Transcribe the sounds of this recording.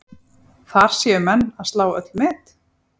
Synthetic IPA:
θaɾ̥sjɛʏmɛnːaðst̪laːwœt̪lmɪːt̪

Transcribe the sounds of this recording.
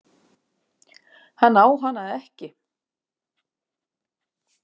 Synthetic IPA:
hanːaːwɦanːaðɛhcɪ

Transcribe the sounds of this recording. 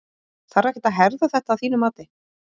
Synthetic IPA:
θaɾɛhcɪ̥t̪aɦɛɾðaθɛht̪aːvθiːnʏmaːt̪ɪ

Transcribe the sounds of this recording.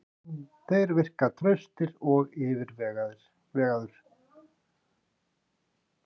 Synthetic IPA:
θejɾvɪr̥kat̪ʰɾœɥst̪ɪɾɔɣɪːvɪɾvɛɣð | vɛːɣaðʏɾ̥

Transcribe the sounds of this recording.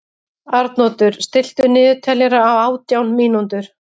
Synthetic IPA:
aɾt̪nɔːt̪ʏɾ̥st̪ɪl̥t̪ʏnɪːðʏt̪ʰɛljɛɾaːwaːwt̪jawnmiːnunt̪ʏɾ̥

